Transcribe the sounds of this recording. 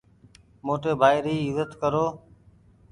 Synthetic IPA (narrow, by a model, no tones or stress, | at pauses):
moːʈeːbʱaːɪɾiːɪzət̪kəɾoː